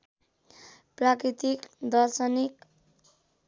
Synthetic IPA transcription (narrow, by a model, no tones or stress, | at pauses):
prakɾit̪ikd̪ʌrsʌnik